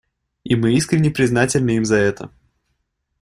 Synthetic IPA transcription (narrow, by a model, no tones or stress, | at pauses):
imɨiskɾʲɪnʲːɪpɾʲɪznatʲɪlʲnɨimzɐɛt̪ə̰